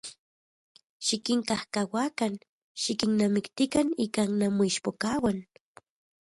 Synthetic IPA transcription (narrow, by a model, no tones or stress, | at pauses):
ʃikiŋkahkawakan | ʃikinnamikt̪ikanikannamoiʃpokawan